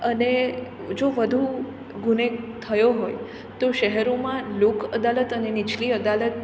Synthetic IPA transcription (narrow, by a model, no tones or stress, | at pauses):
əne | d͡ʒoʋəd̪ʱu | ɡunet̪ʰəjoɦoj | t̪oʃəɦɛɾomãlukʰəd̪alət̪ənenit͡ʃʰliəd̪alət̪̚